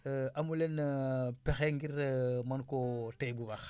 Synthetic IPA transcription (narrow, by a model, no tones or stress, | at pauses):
amulenpexeŋɡiɾmankotejbubax